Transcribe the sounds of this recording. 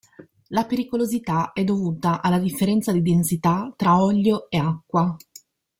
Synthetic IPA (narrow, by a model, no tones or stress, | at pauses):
lapeɾikolozit̪aɛd̪ːovuːt̪aʔalːad̪ifːeɾɛnt̪sad̪id̪ensit̪at̪ːɾaɔʎːoeakːwa